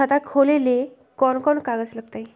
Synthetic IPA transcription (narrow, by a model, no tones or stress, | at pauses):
ət̪akʰolele | kɔnkɔnkaɡət͡sləɡt̪aj